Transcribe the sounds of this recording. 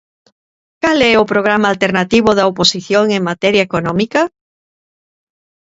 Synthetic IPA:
kalɛʊpɾoɣ̞ɾamaːlt̪eɾnat̪iβʊðɐoposiθjoŋeŋmat̪ɛɾjaekonɔ̃mikɐ

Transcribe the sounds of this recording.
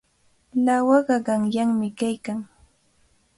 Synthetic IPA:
lawɑɢɑɢɑŋjaŋmɪkajkaŋ

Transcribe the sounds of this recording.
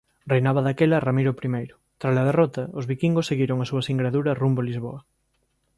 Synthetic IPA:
rejnaβɐðakelɐramiɾopɾimejɾʊ | t̪ɾazlað̞erɔt̪ɐozβikiŋɡoseɣiɾoŋasuɐsiŋɡɾaðuɾɐrumbolizβ̞o̰ɐ

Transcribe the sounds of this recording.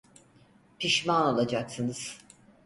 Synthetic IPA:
pʰiʃmanolˠad͡ʒaksɯnɯz̥

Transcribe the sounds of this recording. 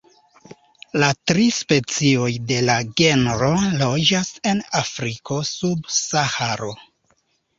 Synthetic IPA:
latɾispe̞t͡sio̞jde̞laɡe̞nɾo̞lo̞d͡ʒase̞nafɾikʰo̞subsahaɾo̞

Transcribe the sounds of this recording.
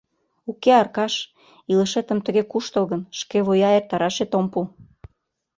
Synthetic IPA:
ukeɑrkɑʃ | ilə̆ʃet̪ə̆mt̪ə̆ɣekuʃt̪əlˠɣənʃkeβojɑert̪ɑɾɑʃet̪ompu

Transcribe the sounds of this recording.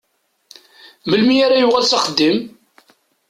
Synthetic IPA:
məlmiaɾajʊʁalsaχəd̪ːim

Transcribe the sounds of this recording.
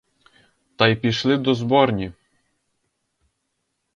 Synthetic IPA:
t̪ɑjpʲiʃlˠɪd̪ɔzbɔrnʲi

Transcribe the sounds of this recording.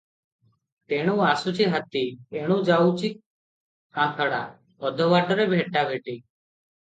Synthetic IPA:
t̪eɽ̃ũːaːsuːt͡ʃʰiːɦət̪iːeɽ̃ũːd͡ʒaːut͡ʃʰiː | ãːt̪ʰəɽa̰ː | ɔd̪ʱəʋaːʈəɾebʱeːʈːaːbʱeːʈiː

